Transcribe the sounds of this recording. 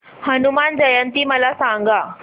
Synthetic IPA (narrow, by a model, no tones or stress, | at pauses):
hənumand͡ʑəjənt̪iːməlasãŋɡa